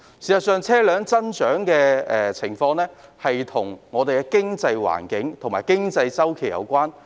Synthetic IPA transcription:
si˨sɐ˨˩sœː˨ŋt͡sʰɛː˥lœː˨˧ŋt͡sɐ˥nt͡ʃœː˨˥ŋkɛː˧ɛː˨t͡sʰɪ˨˩ŋfɔː˧ŋlɛː˥hɐ˨jt̪ʰʊ˨˩ŋŋɔː˨˧d̪e˨jkɛ˧kɪ˥ŋt͡sɐ˧jwa̰ː˨˩nkɪ˨˥ŋt̪ʰʊ˨˩maː˨˩jkɪ˥ŋt͡sɐ˧jt͡sɐ˥wkʰe˨˩jɐ̰˧wkʷwaː˥n

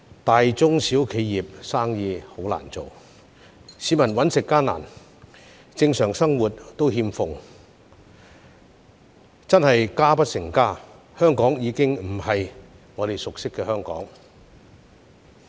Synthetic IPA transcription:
t̪aː˨jt͡sʊ˥ŋsiː˨˥wkʰe˨˧jjiː˨p̚saː˥ŋjiː˧ho˨˥wla̰ː˨˩nt͡so̰˨w | siː˨˥mɐ˨˩nwɐ˨˥nsɪ˨kːaː˥na̰ː˨˩n | t͡sɪ˧ŋsœː˨˩ŋsɐ˥ŋwuː˨˩t̚t̪o˥whiː˧mfʊ˨ŋ | t͡sɐ˥nhɐ˨jkaː˥pɐ˥t̚sɪ˨˩ŋkaː˥ | hœː˥ŋkɔː˨˥ŋjiː˨˧kɪ˥ŋm̩˨˩hɐ˨jŋɔː˨˧ɾe˨˩jsʊ˨k̚sɪ˥kːɛː˧hœː˥ŋkɔ̰ː˨˥ŋ

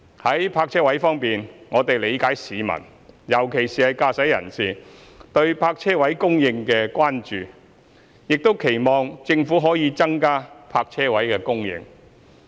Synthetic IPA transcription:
hɐ˨˥jpʰaː˧k̚t͡ʃʰɛː˥wɐ˨˥jfɔː˥ŋpiː˨nŋɔː˨˧t̪e˨jle˨˧jkaː˨˥jsiː˨˧mɐ̰˨˩n | jɐ˨˩wkʰe˨˩jsiː˨˩hɐ˨jkaː˧sɐ˨˥jɐ̰˨˩nsiː˨t̪ɵ˧ɥpʰaː˧k̚t͡sʰɛː˥wɐ˨˥jkʊ˥ŋjɪ˧ŋkɛː˧kʷaː˥nt͡ʃyː˨ | jɪ˨k̚t̪o˥wkʰe˨˩jmɔː˨ŋt͡sɪ˧ŋfu˨˥ɦɔː˨˥jiː˨˧t͡sɐ˥ŋkaː˥pʰaː˧k̚t͡ʃʰɛː˥wɐ˨˥jkɛː˧kʊ˥ŋjɪ̰˨˧ŋ

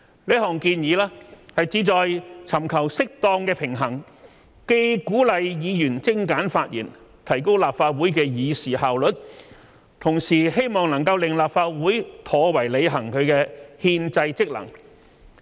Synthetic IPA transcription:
le˥ɦɔː˨˩ŋkiː˧njiː˨˧˥lɛː˥hɐ˨jt͡siː˨˧˥t͡sɔː˨jt͡sʰɐ˨˩mkʰɐ˨˩wsɪ˥k̚t̪ɔː˧ŋkɛː˧pʰɪ˨˩ŋɦɐ˨˩ŋ | ke˧jkuː˨˥lɐ˨˧jjiː˨˧jyː˨˩nt͡sɪ˥ŋkaː˨˥nfaː˧t̚jʔḭː˨˩n | t̪ʰɐ˨˩jko˥wlaː˨p̚faː˧t̚wuː˨˥jkɛː˧jiː˨˧siː˨˩haː˨˩wlɵ˨t̚ | t̪ʰʊ˨˩ŋsiː˨˩ɦe˥jmɔː˨˩ŋnɐ˨˩ŋkɐ˧wlɪ˨ŋlaː˨pfaː˧˥t̚wuː˨˥jt̪ʰɔː˨˧wɐ˨˩jle˨˧jɦɐ˨˩ŋkʰɵ˨˧ɥkɛː˧hiː˧nt͡sɐ˧jt͡sɪ˥k̚lɐ̰˨˩ŋ

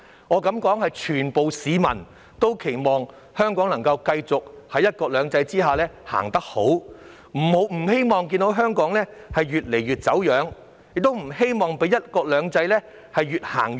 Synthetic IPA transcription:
ŋɔː˨˧kɐ˨˥mkɔː˨˥ŋhɐ˨jt͡ʃʰyː˨˩npo˨wsiː˨˧mɐ̰˨˩n | t̪o˥wkʰe˨˩jmɔː˨ŋ | hœː˥ŋkɔː˨˥ŋnɐ˨˩ŋkɐ˧wkɐ˧jt͡sʊ˨k̚hɐ˨˥jːɐ˥t̚kɔː˧k̚lœː˨˧ŋt͡sɐ˧jt͡siː˥ɦaː˨lɛː˥ha̰ː˨˩ŋt̪ɐ˥k̚ho˨˥w | m̩˨˩ho˨˥wm̩˨˩ɦe˥jmɔː˨˩ŋk̬iː˧nt̪o˨˥wɦœː˥ŋkɔː˨˥ŋlɛː˥hɐ˨jɥyː˨t̚le˨˩jɥyː˨t̚t͡sɐ˨˥wjœː˨˥ŋ | jɪ˨k̚t̪o˥wm̩˨˩he˥jmɔː˨ŋpe˨˥jɐ˥t̚kɔː˧k̚lœː˨˧ŋt͡sɐ˧jlɛː˥ | hɐ˨jɥyː˨t̚ha̰ː˨˩ŋ

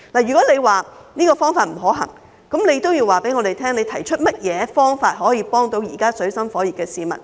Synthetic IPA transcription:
laː˨˩jyː˨˩kɔː˨˥le˨˧jwaː˨niː˥kɔː˧fɔː˥ŋfaː˧t̚m̩˨˩ɦɔː˨˥ɦɐ̰˨˩ŋ | kɐ˨˥mne˨˧jt̪o˥wjiː˧waː˨pe˨˥jŋɔː˨˧d̪e˨jt̪ʰɛː˥ŋne˨˧jt̪ʰɐ˨˩jt͡ʃʰɵ˥t̚mɐ˥t̚jɛː˨˧fɔː˥ŋfaː˧t̚ɦɔː˨˥jiː˧pɔː˥ŋt̪o˨˧wjiː˨˩kaː˥sɵ˨˥ɥsɐ˥mfɔː˨˥ji˨p̚kɛː˧siː˨˧mɐ̰˨t̚

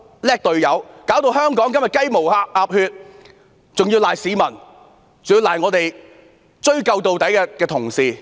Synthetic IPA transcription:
lɛː˥k̚t̪ɵ˨ɥjɐ˨˥wkaː˨˥wt̪̬o˧whœː˥ŋkɔː˨˥ŋkɐ˥mjɐ˨t̚kɐ˥jmo˨˩waː˧p̚ʔaː˧p̚hyː˧t̚ | t͡sʊ˨ŋjiː˧wlaː˨jsiː˨˧mɐ˨˩n | t͡sʊ˨ŋjiː˧wlaː˨˩jŋɔː˨˧t̪e˨j | t͡ʃɵ˥ɥkɐ˧wt̪o˨wt̪ɐ˨˥jkɛː˧kɛː˧t̪ʰʊ˨˩ŋsiː˨˧

